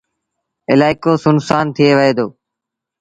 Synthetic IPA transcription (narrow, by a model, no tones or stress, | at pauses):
ɪlaːɪkoːsʊnsaːnt̪ʰɪeːʋəɦeːd̪oː